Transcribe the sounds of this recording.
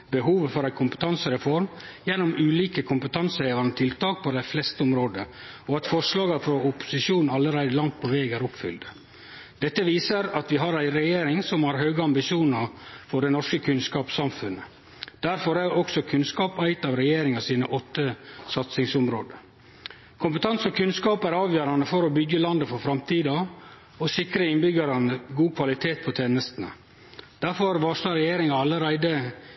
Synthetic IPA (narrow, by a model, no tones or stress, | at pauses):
bəɦuːʋəfɔɾæɪkʰʊmpə̥t̪ʰɑnsəɾɛfɔɾmjɛnːʊmʉːliːkəkʰʊmpət̪ʰɑnsəheːʋɑnət̪ʰɪlt̪ɑːk̚pʰɔd̪æɪflɛst̪əʊmɾoːd̪əɔɑt̪fɔʂlɑːɡəfɾɔʊpʊ̥sɪʃuːnn̩ɑlːəɾæɪd̪əlɑŋt̪̚pʰɔʋeːɡæːɾʊpfʏ̰ld̪ | d̪ɛt̪ːəʋiːsəɾɑt̪ʋɪɦɑːɾæɪɾɛjeːɾɪŋsɔmhɑɾɦøːɡəɑmbɪʃuːnəɾfɔɖɛnɔʂkəkʰʉnskɑːpsɑmfʉnə | d̪̥æɾfɔɾæʔɔksɔkʰʉnskɑːpæɪt̪ɑʋɾɛjeːɾɪŋɑsiːnəʔɔt̪ːəsɑt̪sɪŋsʊmɾoːd̪ə | kʰʊmpət̪ʰɑnsɔkʰʉnskɑːpæɾɑːʋjøːɾɑnəfɔɾɔbʏɡːəlɑnd̪əfɔɾfɾɑmt̪ʰiːd̪ɑ | ɔsɪkɾəɪnbʏɡɑɾɑnəɡuːkʰʋɑlɪt̪ʰeːt̪̚pʰɔt̪ʰeːnəst̪ənə̰ | d̪̥æɾfɔɾʋɑʂlɑɾɛjeːɾɪŋɑɑlːəɾæɪd̪ə